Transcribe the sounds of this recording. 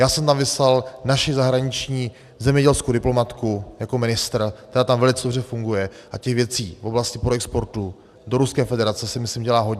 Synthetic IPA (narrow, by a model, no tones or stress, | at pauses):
jaːsɛmt̪amvɪslalnaʃɪzaɦɾaɲɪt͡ʃɲiː | zɛmɲɛɟɛlskodɪplo̞mat̪kujakomɪnɪst̪ɾ̩kt̪ɛɾaːt̪amvɛlɪt͡sɛdobr̝ɛfuŋɡujɛ | ʔacɛɣvjɛt͡siːvo̞blascɪpɾoɛkspo̞ɾt̪u | doɾuskɛːfɛdɛɾat͡sɛsɪmɪslɪmɟɛlaːɦo̞ɟɲ